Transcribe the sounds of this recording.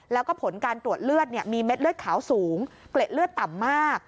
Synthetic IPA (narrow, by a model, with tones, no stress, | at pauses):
lɛ˦˥wkɔː˥˩pʰo˩˦nkaː˧nt̪ɾu˨˩ət̪̚lɯ˥˩ət̪̚ni˥˩əmiː˧me˦˥t̪̚lɯ˥˩ət̪̚kʰaː˩˦wsuː˩˦ŋkle˨˩t̪̚lɯ˥˩ət̪ːa˨˩mːaː˥˩k̚